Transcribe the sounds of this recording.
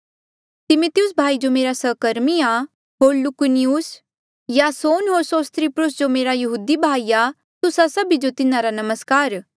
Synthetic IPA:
t̪ɪmʊt̪ɪjʊsbʱaːid͡ʒomeːɾasəːkəɾmija | ɦoːɾlʊkʊniʊs | jasoːnɦoːɾsoːst̪ɾipɾʊs̬d͡ʒomeːɾajɐɦuːd̪ibʱaːija | t̪ʊsasɐbid͡ʒot̪ɪnãɾanɐməskaːɾ

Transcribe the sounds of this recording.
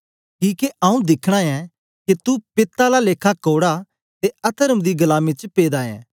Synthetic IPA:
kiːkeʔɐũd̪ɪkʰɽ̃ãɛ̃ | ket̪upɪt̪ːalaleːkʰakoːɽa | t̪eɐt̪ʰəɾəmd̪iɡɐlaːmĩt͡ʃpeːd̪aːɛ̰̃ː

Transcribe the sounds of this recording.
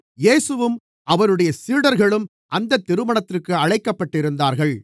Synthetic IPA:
jeːsɯʋɯm | ʔɐʋɐnɯɽɐjɐsiːɽɐɾɣɐɭɯm | ʔɐnd̪ɐt̪ːɪɾɯmɐɳɐt̪ːɪrkɯɐɻɐɪkːɐpːɐʈːɪɾɯnd̪aːɾɣɐɭ

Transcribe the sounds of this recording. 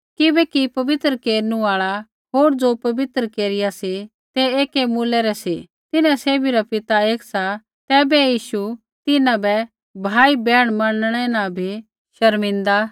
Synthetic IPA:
kɪbɛkipɐʋɪt̪ɾəkeːɾnũaːɭa | ɦoːɾd͡zopɐʋɪt̪ɾəkeːɾɪjase | t̪ɛeːkemuːlɛɾɛse | t̪ɪnãseːbʱiɾapɪt̪aeːksa | t̪ɛːbɛjiːʃu | t̪ɪnãbɛ | bʱaːibɛːɽ̃mɐnəɽ̃ɛ̃nãbʱi | ʃɐɾmɪ̃nd̪a

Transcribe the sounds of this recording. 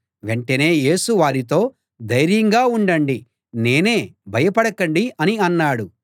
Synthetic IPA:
ʋe̞ɳʈɐne̞ːje̞ːsuʋaːɾit̪o̞ː | d̪ɐjɾjɐŋɡaːuɳɖɐɳɖi | ne̞ːne̞ːbʱɐjɐpɐɽɐkɐɳɖiɐniɐnːaːɽu

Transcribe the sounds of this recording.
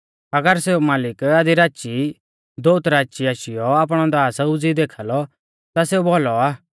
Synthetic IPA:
ɐɡəɾseumaːlɪkad̪iɾaːt͡ʃi | d̪oːt̪ɾaːt͡ʃiaːʃɪjɔaːpɽ̃ɔd̪aːsɐud͡zid̪eːkʰalɔ | t̪aseubɔlɔaː

